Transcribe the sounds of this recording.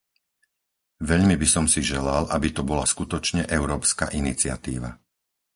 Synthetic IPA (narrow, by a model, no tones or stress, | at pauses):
ʋɛʎmibisɔmsiʒɛlalʔabit̪ɔbɔlaskut̪ɔt͡ʃɲɛʔɛʊɾɔːpska̰ʔinit͡sɪa̰t̪ḭːʋa̰